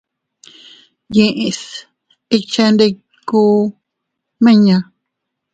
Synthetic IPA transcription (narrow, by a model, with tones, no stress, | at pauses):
jẽ˧ʔẽ˧s | i˧t͡ʃe˧nd̪e˧ | ku˦ | mẽ˦ɲã˧